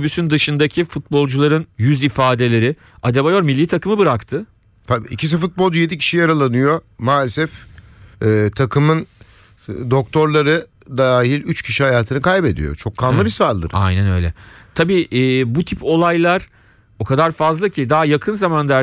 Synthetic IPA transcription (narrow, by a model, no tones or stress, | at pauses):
bysynd̪ɯʃɯnd̪acʰifut̪̚bo̞lˠd͡ʒulˠaɾɯnjyzifaːd̪e̞lʲe̞ɾɪ | ad̪ebajo̞ɾmilʲːiːt̪ʰakɯmɯbɯɾakt̪ʰɯ | t̪abicis̬ifut̪̚bolˠd͡ʒyjed̪icʰi̥ʃijaɾalˠanɯjo̞ | maːlʲesɛf | ɛːt̪ʰakʰɯmɯn | d̪o̞k̚t̪ʰo̞ɾlˠaɾɯ | d̪aaːɦilʲyt͡ʃcʰiʃihajaːt̪ʰɯnɯkʰajbe̞d̪ḭjo̞̰t͡ʃʰo̞kʰːanlˠɯbisaːlˠd̪ɯ̰ɾa̰jnænø̞̰jlʲɛ̰t̪ʰabiːʔːbut̪ʰipʰo̞lˠajlˠaɾ̥ | o̞kʰad̪aɾfazlˠacʰid̪aːjakʰɯnzamand̪æ